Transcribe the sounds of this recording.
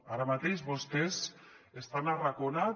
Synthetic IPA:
aɾamat̪ejzβo̞st̪esest̪anarakona

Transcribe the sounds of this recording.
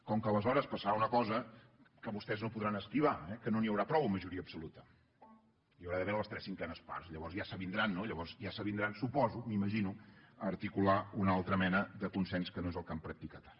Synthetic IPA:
kɔŋkələzɔɾəspəsəɾaunəkɔzə | kəβust̪ɛznopuðɾanəskɾiβ̞aɛkənoniəwɾapɾɔβuməʒuɾiəpsulut̪ə | iəwɾaðəβeɾəlˠəst̪ɾɛsiŋkɛnəspa̰ɾsiʎəβɔrzjasəβind̪ɾanːoiʎəβɔrzjasəβind̪ɾansupɔzumiməʒinuəɾt̪ikulaunalˠt̪ɾəmɛnəðəkunsɛnskənoezəlˠkampɾək̚t̪ikat̪ḁ

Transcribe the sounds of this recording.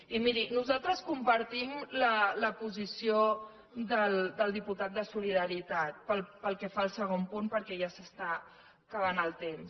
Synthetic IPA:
imiɾinuzalˠt̪ɾəskumpəɾt̪imlələpuzisio | d̪əld̪əlˠd̪iput̪at̪̚d̪əsuliðəɾit̪at̪̚pəlˠpəlˠkɛfaəlˠsəɣ̞ompunpəɾkɛʒasəst̪a | kəβ̞anəlˠt̪ems

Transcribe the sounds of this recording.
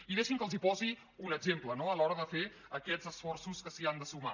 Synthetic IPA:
iðeʃiŋkəlˠzipɔzi | unəɡzemplənoəlɔɾəðəfe | əkɛd͡zəsfɔrsuskəsiand̪əsuma̰

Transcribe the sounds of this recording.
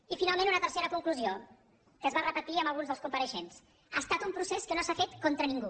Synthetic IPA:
ifinalˠmẽnunət̪əɾseɾəkuŋkluzio | kəzβarəpət̪iəməlˠɣunzðəlˠskumpəɾəʃens | aːst̪at̪umpɾuseskənosafet̪kont̪ɾəniŋɡu

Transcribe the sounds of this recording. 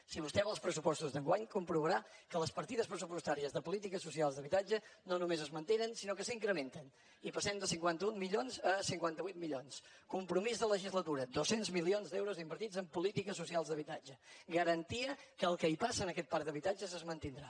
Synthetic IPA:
siβ̞ust̪ɛməlˠspɾəsupɔst̪uzðəŋɡwaɲkumpɾuβəɾakələspəɾt̪iðəspɾəs̬upust̪aɾiəzðəpulit̪ikəsus̬ialˠzðəβit̪ad͡ʒənonumezəzmənt̪enənsinokəsiŋkɾəment̪ən | ipəsɛmd̪əsiŋkwant̪əunmiʎonzəsiŋkwant̪əβit̪miʎons | kumpɾumizðələʒizlət̪uɾəd̪osenzmilionzd̪ɛwɾuzimbəɾt̪id͡zəmpulit̪ikəs̬usialˠzðəβit̪ad͡ʒəɡəɾənt̪iəkəːlˠkəipasəːnəkɛt̪̚paɾd̪əβit̪ad͡ʒəzəzmənt̪ind̪ɾa

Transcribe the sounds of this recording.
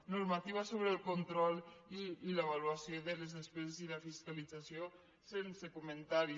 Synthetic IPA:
nuɾmat̪iβ̞asoβɾelˠkont̪ɾɔlˠiːleβaluasioðəlezðespɛzezilafiskalid͡zasio | sensekument̪aɾi

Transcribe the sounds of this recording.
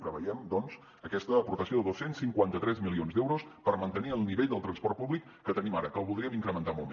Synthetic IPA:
pɾəβə̰jɛmd̪ɔnz | əkɛst̪əːpuɾt̪əsioðəðosːensiŋkwant̪ət̪ɾɛzmilionzd̪ɛwɾospəɾmənt̪əniəlˠniβeʎd̪əlˠt̪ɾənspɔrt̪̚puβlikːət̪ənimaɾəkəlˠβulˠd̪ɾiəmiŋkɾəmənt̪amo̰lˠm

